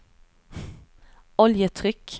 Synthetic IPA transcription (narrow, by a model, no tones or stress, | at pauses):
ɔljət̪ʰʁʏk